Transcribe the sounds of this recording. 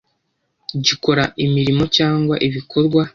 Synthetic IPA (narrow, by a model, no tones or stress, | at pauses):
ɟiko̞ɾaʔimiɾimo̞caːŋɡwaʔiβiko̞ɾɡwa